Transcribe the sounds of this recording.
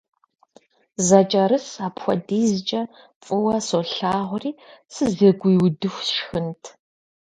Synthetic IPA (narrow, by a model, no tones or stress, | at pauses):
zɐt͡ʃʼɐɾɨsaːpxʷɔ̰diːzt͡ʃʼɐ | pʼɨwɐsoːɬaːʁʷriːsɨzeɡʷjwdɨxʷʃxɨntʰ